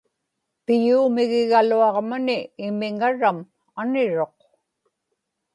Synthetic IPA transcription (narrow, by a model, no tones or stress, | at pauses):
pɪjuːmɪɣɪɣaluɑʁmʊnɪːmɪŋaɻam | anɪɻoq̚